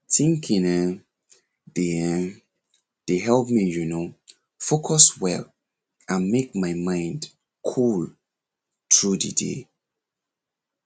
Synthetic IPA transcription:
tʰĩŋkʰĩnə | deɛ̃ | d̥eɦɛlp̚mijuno | fokʰɔswɛl | ãnmek̚maɪmãɪ̃nd | kʰul | tʰɹudḭdḛ

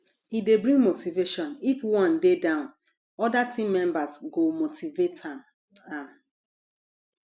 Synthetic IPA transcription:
idebɾĩŋɡmotiveʃɔ̃nifwɔ̃ndedãʊ̃n | ɔdatĩmːɛ̃mbasɡomotiveta | ãm

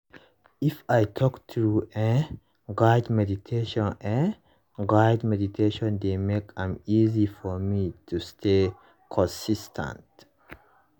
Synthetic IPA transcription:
ʔɪfajt̪ʰɔkt̪ʰɾuɛ | ɡajd̪mɛd̪it̪ʰeʃɔ̃nɛ̃ | ɡajdmɛd̪it̪ʰeːʃɔ̃nd̪emekãmiːzifɔmit̪ʰust̪ʰeː | kʰɔ̃nsɪst̪ʰã̰nt

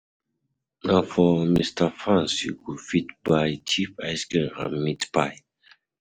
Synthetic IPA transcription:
nãfɔmistafɹãnsḭkufitbajt͡ʃʰifajskinã̰nmitpaɪ

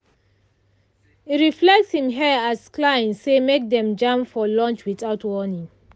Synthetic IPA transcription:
iɹiflɛk̚tshĩmɦɛasklãɪ̃nsemek̚dɛ̃md͡ʒãmfɔlɔ̃nt͡ʃwiθaʊtwɔnĩŋ

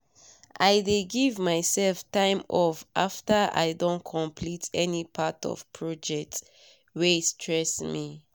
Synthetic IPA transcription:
ʔajdeɡivmaɪsɛlftãɪ̃mɔvʔaftəʔa̰ɪdõnkʰɔ̃mpʰlitʰɛnipʰatɔ̰v̥pʰɹɔd͡ʒɛk̚t | westʰɹɛsmi

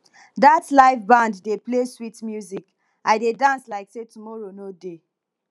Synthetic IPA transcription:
datlaɪvbãndːepleswitmjuzik | ʔaɪdedãnslaɪksetumɔɹonode

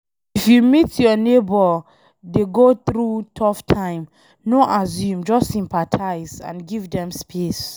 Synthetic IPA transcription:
ifjumitjɔnebɔ | deɡoθɾutʰɔftʰãɪ̃m | noʔazjũmd͡ʒɔssĩmpatʰaɪzã̰nɡivdɛ̃mspʰes

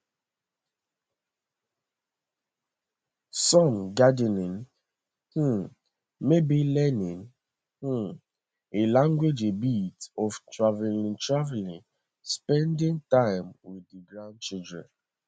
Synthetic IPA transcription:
sɔ̃ŋɡadɛnɪ̃n | h̩ | mebilɛnɪ̃n | h̩ | elãŋɡwed͡ʒebitɔftɹavɛlɪ̃ntɹavɛlɪ̃n | spɛ̃ndɪ̃ŋtãɪmwɪdiɡɹãnd̚t͡ʃildɹɛ̰̃n

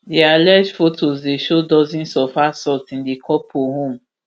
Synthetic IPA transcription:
dealɛd͡ʒfotʰozdeʃodɔzĩnsɔfasɔtĩndekʰɔpʰoɦõm

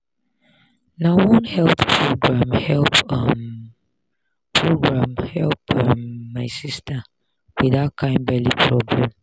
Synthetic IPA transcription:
nawɔ̃nhɛlppʰɹoɡɹãmhɛlpʌm | pʰɹoɡɹãmhɛlpmːaɪsistʰə | wiðat̚kʰãɪ̃ndbɛlipʰɹɔblɛ̃m

